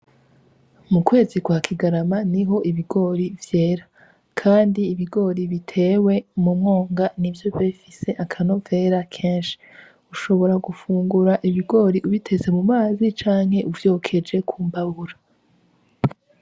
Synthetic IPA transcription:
mukwe̞ːzikwaːkʰiɡaɾamaniɦo̞ʔiβiɡo̞ːɾivje̞ːɾa | kʰaːndiːβiɡo̞ːɾiβitʰe̞ːwe̞mumŋo̞ːŋɡanivjo̞veːfise̞ʔakʰano̞ve̞ːɾakʰe̞ːnʃi̥ | uʃo̞βo̞ɾaɡufuːŋɡuɾaʔiβiɡo̞ːɾiʔuβitʰe̞ze̞mumaːzit͡ʃaːŋ̥he̞ʔuvjo̞ːkʰe̞d͡ʒe̞kʰuːmbaβuɾa

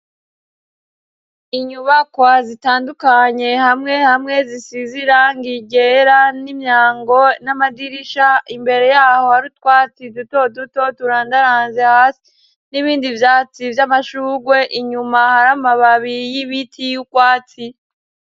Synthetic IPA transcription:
iɲuβakwazitaːndukaɲe̞hamŋe̞hamŋe̞zisiziɾaŋɡiɡe̞ɾanimɲaːŋɡo̞namadiɾiʃaimbe̞ɾe̞jaːho̞haɾutkwaːt͡siduto̞duto̞tuɾandaɾaːnzehaːsi̥ | niβiːndivjaːt͡sivjamaʃuːɡwe̞ʔiɲumahaɾamaβaβijiβitʰijukwaːt͡si

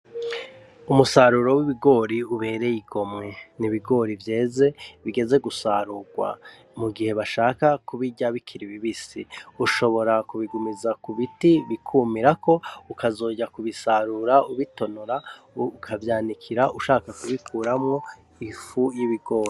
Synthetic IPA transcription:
umusaɾuɾo̞wiβiɡo̞ːɾiuβe̞ːɾe̞jiɡo̞mŋe̞niβiɡo̞ːɾivje̞ːze̞βiɡe̞ze̞ɡusaɾuɡwa̰ | muɡihe̞βaʃaːkakuβiɟaβikʰiɾiβiβisiuʃo̞βo̞ɾakuβiɡumizakuβitiβikʰumiɾako̞ukʰazo̞ːɟakuβisaɾuɾauβito̞noɾa | kʰavjaːnikʰiɾaʔuʃaːkakuβikʰuːɾamŋo̞ | ifujiβiɡo̞ːɾi

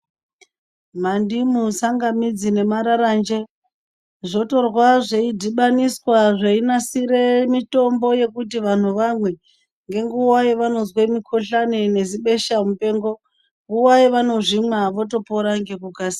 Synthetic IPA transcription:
mandimusaŋɡamid͡zine̞maɾaɾand͡ʒe̞ | ʐo̞to̞rwaʐeidʱiɓaniswaʐeinasiɾemito̞mbo̞je̞kut̬iʋan̤uʋamwe̞ | ŋɡe̞ŋɡuwaiʋano̞zwemikʰo̞ɬanene̞ziɓe̞ʃamupe̞ːŋɡo̞ | ŋɡuwaiʋano̞ʐimwaʋo̞to̞po̞ɾaŋɡe̞kukaːsi̥

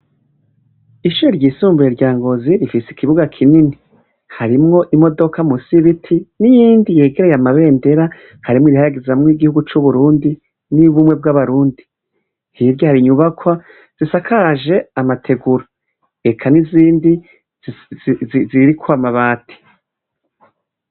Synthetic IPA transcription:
iʃuɾoɾɟiːsuːmbujeɾɟaːŋɡo̞ziɾifisi̥kiβuɡakʰinini | haɾimŋo̞ʔimo̞do̞kʰamusiβitʰinijiːndije̞ːɡe̞ɾe̞jamaβe̞ːnde̞ɾa | haɾimŋwiɾihajaɡezmŋiːɡihuɡut͡ʃuβuɾuːndi | niβumŋe̞b̚ɡaβaɾuːndi | hiɾɟohaɾiɲuβakwa | z̥isakʰaʒe̞amatʰe̞ɡuɾa | ekʰaniziːndi | zziɾikʰwamaβaːtʰi̥

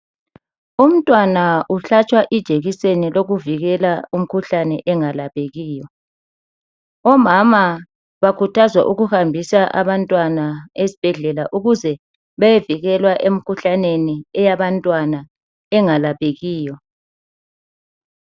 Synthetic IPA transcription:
um̩tʼwanaʔuɬat͡ʃʼwaʔid̥ʒ̥ʱeɣiseniloɣuviɣɛlaum̩kʰuɬanɛʔɛŋalaβeɣiːjɔ | ɔmama | βakʰutʰazwa̰ʔuɣuhambʱisaʔa̰βantʼwanaesi̥b̥ʱɛɮɛlaʔuɣuzɛ | βajeviɣɛlwaʔem̩kʰuɬaneniɛjaβantʼwana | ɛŋalaβeɣiːjɔ

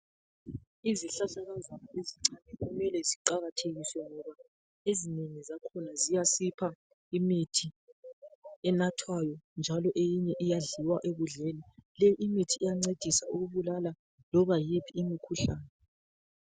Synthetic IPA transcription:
iziɬaɬaɣazanaʔeziŋ͡ǀanɛɣuumɛlɛziǃaɣatʰeɣiswɛŋɔβa | ezineŋizakʰɔnazijasipʰa | imitʰi | ɛnatʰwajɔnd͡ʒʱalɔʔejiɲɛʔijaɮiwaʔeβuɮelilejiʔimitʰiːjaŋ͡ǀed̥ʱisauɣuβulala | lɔβajipʰiːmikʰuɬaːnɛ

